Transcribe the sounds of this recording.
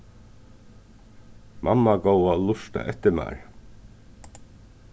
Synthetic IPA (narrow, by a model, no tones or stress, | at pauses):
mʔamːaɡowalʊʂt̪a̰ʔɛ̰ht̪ɪma̰ːɹ